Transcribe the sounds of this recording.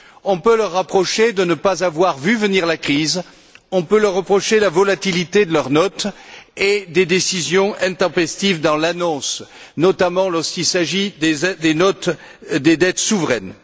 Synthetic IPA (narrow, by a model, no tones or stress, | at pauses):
ɔ̃pøləʁːapχɔʃed̪ənəpazavwaʁvyvəniʁlakχiz | ɔ̃pølœʁːəpχɔʃelavɔlat̪ilit̪ed̪əlœʁnɔt̪ed̪ed̪esizjɔ̃ʔɛ̃t̪ɑ̃pɛst̪ivd̪ɑ̃lanɔ̃snɔt̪amɑ̃lɔʁskilsaʒid̪enɔt̪ | d̪ed̪ɛt̪suvʁɛn